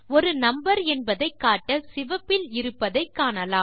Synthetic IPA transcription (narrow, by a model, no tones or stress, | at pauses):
ɔɾɯnɐmbɐɾɛnbɐðɐɪkːaːʈːɐsɪʋɐpːɪlɪɾɯpːɐðɐɪkːaːnɐlaːm